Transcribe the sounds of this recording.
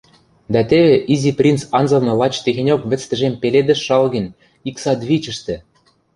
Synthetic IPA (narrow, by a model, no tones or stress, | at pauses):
d̪ɑt̪eβĕʔiziprʲint͡sɑnzɤ̆lnɤ̆lɑt͡ɕt̪eɣĕnʲokβɘ̆t͡st̪ɘ̆ʒempeled̪ɘ̆ʃːɑlɣə̆nʲ | iksɑd̪βit͡ɕə̆ʃt̪ĕ